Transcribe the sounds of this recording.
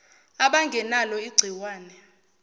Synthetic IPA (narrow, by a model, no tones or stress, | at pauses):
aɓaŋɡʱɛnalɔiɡ͡ǀʱiwaːnɛ